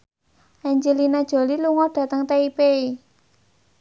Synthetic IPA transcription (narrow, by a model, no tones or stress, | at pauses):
ʔɛɲd͡ʒilinad̥ʒ̥o̤liluŋɔɖ̥ä̤t̪əŋt̪eipei